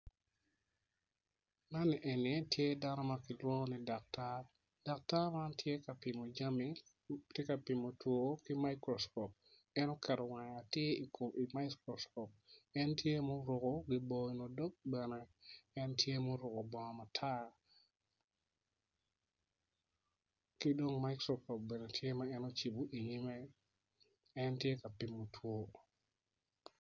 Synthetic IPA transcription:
na˦nɛ˨ʔe˨ne˦tje˦da˦nɔ˦makɪ˨lwɔ˦nidak̚ta | d̥a˨k̚ta˦ma˦ntʰje˦ka˨pɪmo˨d͡ʒa˦mi | te˦ka˨pi˨mo˨two˨kɪ˦majkɾɔ˨skɔp̚ | ɛ˦nɔ˦kʰɛ˨ɾɔ˨ŋa˨ŋatje˦i˨ko˨mi˨majkɾoskɔ˨p̚ɛ˦ntje˦mo˦ɾʊ˨ko˦ɡɪ˨bɔinɔ˨do˦k̚bɛnɛɛ˦ntje˦moɾʊ˨kɔ˨bɔ˨ŋɔma˨tʰa˦ | kɪ˦do˦ŋma˦jkɾɔɔ˨p̚bɛ˨nɛ˨tʰje˦maɛ˦nɔt͡ʃi˨bu˨ʔi˨ɲi˦mɛ˦ | ɛ˦ntje˦ka˨pɪ˨mo˨tʰwo˦

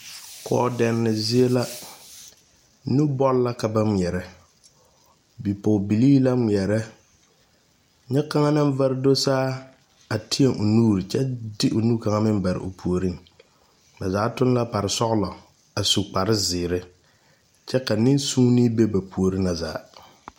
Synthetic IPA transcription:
kɔː˨˦˨dɛ˨nːɪ˨zɪ˦e˦la˦ | nu˦bɔ˦lla˦ka˨ba˦ŋi˨ɛ˨ɾɛ˦ | bi˨po˨bi˨liː˦la˦ŋ˨ɛ˨ɾɛ˦ | ɲɛ˦ka˦ŋa˦na˦m˦va˦ɾdo˦saː˦ | a˨tʰɪ˦e˦˨ŋʔo˨nuː˦ɾɪ˨t͡ʃɛ˦dɪ˦ʔo˨nuː˦ka˨ŋa˦mɪ˦mba˨ɾɪ̰˨ʔo˨pʰu˨o˨ɾi˦ŋ | ba˨zaː˨˦tʊ˦n˦la˦pa˨ɾɪ˨sɔ˦ɣlɔ˨ | a˨su˨k͡pa˨ɾɪ˦zɪː˨ɾɪ˦ | t͡ʃɛ˦ka˨nɪ˦nsuː˦ni˦be˦ba˨pu˨o˨ɾɪ˦na˨za̰ː˨˦

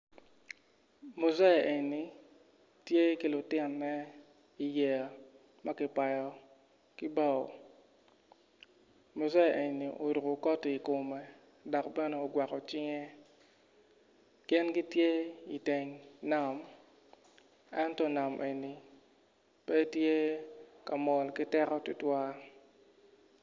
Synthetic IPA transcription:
mo˨za˦˨ʔe˨ni˨ | tje˦ki˦lʊ˨tɪ˦˨nːɛ˦ | i˨jɛ˨a˨ | ma˦kɪ˨pa˨jɔ˨ | kɪ˦ba˦˨o̰˨ | mo˨za˦˨ʔe˨ɲni˨ʔo̰˨ɾo˨ko˨kɔ˦ti˨ko˨mɛ˨ | dɔ˨kbɛ˦nɛ˨o˨ɡwa˨kɔ˨t͡ʃɪ˦ŋe˦ | kɪ˦nɡi˦tje˦i˨te˨ŋna˨m | ɛ˦ntɔ˦na˨mʔe˨ni˨ | pɛ˦tje˦ka˨mɔ˨lkɪ˦tɛ˦ɾɔ˦tʊ˦twa˦

